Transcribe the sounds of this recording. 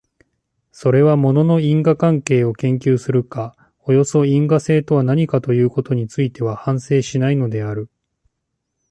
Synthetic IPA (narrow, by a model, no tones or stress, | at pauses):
so̞ɾe̞βamo̞no̞no̞ĩŋɡakãŋke̞ːo̞kẽ̞ŋkʲɨːsɨɾɯ̟ka | o̞jo̞so̞ĩŋɡase̞ːt̪o̞βanaɲ̟ikat̪o̞jɯ̟ːko̞t̪o̞ɲ̟it͡sɨit̪e̞βahãɰ̃se̞ːɕinaino̞d̪e̞aɾɯ̟